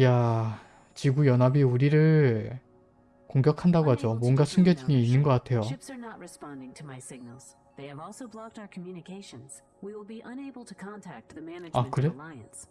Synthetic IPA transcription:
ja | t͡ɕiɡujʌnɦabiuɾiɾɯɭ | koŋɡjʌkʰandaɡoɦad͡ʑomwʌnɡasʰuŋɡjʌd͡ʑiɡiinnːɯnɡʌk͈atʰe̞joʃɪpsə˞nət̚ɹɨspɑ̃ndɪ̃ŋtʰɨmaɪsɪɡ̚nl̩ˠz̥ | ðeɪɨvɔlˠsoʊblɑk̚taʊ˞kʰəmjʉnɨkʰeɪʃɨ̃nz̥ | wiwɪlˠbiʔʌ̃neɪbl̩ˠtʰɨkʰɑ̃ntʰæk̚t̚ðɨmænɨakɯɾelaɪɨ̃ns

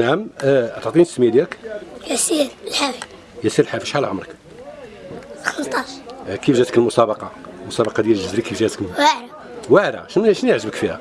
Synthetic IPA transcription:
naʕəmʔt̪ʕt̪ˤint̪smjæd̪jækjæsiɾlħafi | jæsiɾəlħafiʃʕalæʕʊmɾˤək | xət̪ˤɑʃkifʒæt̪əkəlmʊsˤɑbɑqɑmʊsˤɑbɑqɑd̪jælʒəzɾikifʒæt̪ə̥kwaʕɾæ | waʕɾæ̰ʃnʃnjəʕʒəbəkfihæ̰

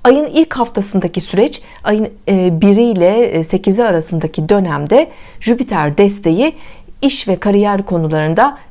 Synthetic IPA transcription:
ajɯnilʲchaft̪ʰasɯnd̪acisyɾɛt͡ʃ | ajɯnbiɾijlʲɛse̞ciziaɾasɯnd̪acʰid̪ø̞næmd̪ɛʒ̥ypit̪ʰæɾd̪ɛst̪ʰe̞jiiʃvɛkʰaɾijæɾkʰo̞nulˠaɾɯnd̪a

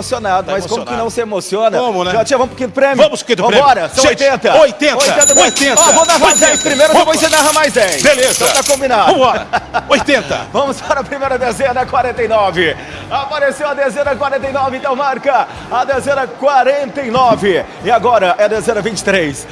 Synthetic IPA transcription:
osionad̪ʊmɐjskõmʊkɪ̃nɐ̃w̃sɪemosiõnɐomʊnɛʒat͡ʃiɐvɐ̃mpo̥kĩɲʊd̪ʊpɾẽmjuvɐ̃mʊspokĩd̪ʊvɐ̃ɾɔɾɐsɐ̃w̃ojt̪ẽnt̪ɐojt̪ẽnojɐẽt̪ɐojt̪ẽnɔvɐ̃wnaɦɐazd̪ɛ̃pɾimejɾɐ̃põjsenaɦɐmajzd̪ɛbelezt̪ɐ̃w̃t̪akõmbinaɐ̃mɔɾojt̪ẽnt̪ɐ̰vɐ̃mʊzfɔɾɐpɾimejɾɐd̪ezẽnɐkwaɾẽnt̪ɐjnɔvɪ | apaɾesewɐd̪ezẽnɐkwaɾẽnt̪ɐjnɔvɪẽnt̪ɐ̃w̃maɾkɐ | ad̪ezẽnɐkwaɾẽnt̪ɐjnɔvɪ | ɪaɡɔɾɐʔɛɐd̪ezẽnɐvĩnt͡ʃɪ̥t̪ɾejs

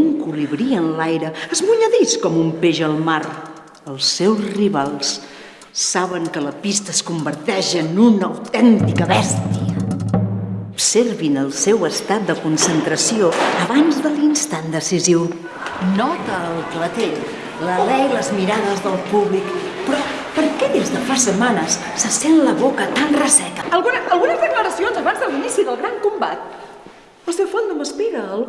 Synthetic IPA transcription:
uŋkuliβɾiənlajɾəəzmuɲəðiskɔmumpeʒəlˠmaɾ | əlˠsːɛwzriβalˠsː | aβəŋkələpist̪əskumbəɾt̪ɛʃənunəwt̪ɛnt̪ikəβɛst̪iə | upserβinəlˠsɛwəst̪at̪̚d̪əkunsənt̪ɾəsioəβanzðəlinst̪and̪əsiziw | nɔt̪əːlˠklət̪eʎ | ləlɛjləzmiɾaðəzðəlˠpuβlikpɾɔ | pəɾkɛðezðəfasəmanəs | səsɛnləβokət̪anrəsɛt̪əəlˠɣunəəlˠɣunəzðəkləɾəsionzəβanzðəlinisiðəlˠɣɾaŋkumbat̪̚ | əlˠsewfond̪əməspiɾəlˠ

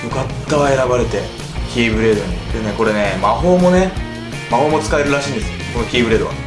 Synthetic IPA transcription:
jokat̪ːaβae̞ɾabaɾe̞t̪e̞ | kʲiːbɯ̟ɾe̞ːd̪oɲiene̞ko̞ɾe̞ne̞maɦo̞ːmo̞ne̞ | maho̞ːmo̞t͡sɨ̥kae̞ɾɯ̟ɾaɕĩːnd̪e̞sɨoko̞no̞kʲiːbɯ̟ɾed̪o̞a̰

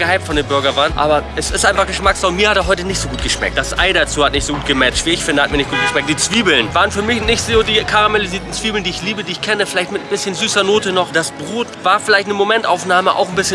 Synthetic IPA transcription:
ɡəhaɪp̚tfɔndeːmbʏɐɡɐvaːnʔa̰ːbɐʔɛsɪstʔaɪnfaχɡ̥əʃmaksfalʊnmiːɐhatdaɦɔʏtənɪçtz̥oːɡuːtɡ̥əʃmɛ̰k̚t̚d̥asʔa̰ɪdat͡suːhatnɪçtz̥oɡuːt̚ɡ̥əmɛt͡ʃtv̥iːɪçfɪndəhatmiːɐnɪçtɡ̥uːt̚ɡ̥ə̥ʃmɛk̚d̥iːt͡sv̥iːbl̩nvaːʁənfyːɐmɪçnɪçtz̥oːdiːkʰaʁameliziːɐtn̩t͡sv̥iːbl̩ndiːɪçliːbədiːɪçkʰɛnəfɪlaɪçtmɪtn̩bɪsçənzyːsɐnoːtənɔχd̥asb̥ʁoːtvaːɐfɪlaɪçtnəmomɛntʔaʊfnaːməʔa̰ʊxn̩bɪsçə

